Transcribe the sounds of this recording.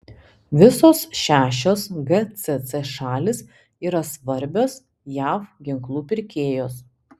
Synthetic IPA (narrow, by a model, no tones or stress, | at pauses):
ʋʲɪsoːsʃʲæːʃʲoːsɡɛt̪sʲɛt̪sɛʃɑːlʲɪs | iːɾɐsʋɐɾʲbʲoːs | jæːfɡʲɪŋklˠuːpʲɪɾʲkʲeːjoːs